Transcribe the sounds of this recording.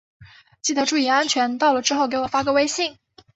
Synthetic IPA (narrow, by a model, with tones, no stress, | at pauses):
t͡ɕi˥˩t̪ʰɤ˧˥ʈ͡ʂu˥˩i˧˥a˥nt͡ɕʰɥɛ˧˥nt̪ɑ˥˩ʊlə˩ʈ͡ʂɻ̩˥xo˥˩ʊk̬ɪwɔ˨˩fa˥kɤ˧˥we˥ɪɕi˥˩ŋ